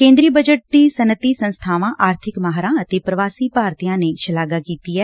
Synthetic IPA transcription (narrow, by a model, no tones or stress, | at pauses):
kẽːnd̪ɾiːbəd͡ʒəʈ̚d̪iːsənət̪iːsə̃nst̪ʰaːʋãːʔʔaːɾt̪ʰɪkmaːɦaɾãːət̪eːpɾəʋaːsiːpaːɾt̪ijãːneːʃəlaːɡaːkiːt̪iːɛː